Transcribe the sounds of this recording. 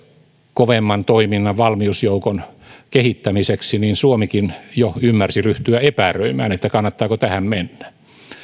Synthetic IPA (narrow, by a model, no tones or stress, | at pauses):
koʋemːɑnt̪oiminːɑʋʋɑlmiusjoukon | kehit̪ːæmiseksiniːnsuomikinjoymːærsiryht̪yæepærøimæ̰ːnet̪ːækɑnːɑt̪ːɑːkot̪æhæmmenːæ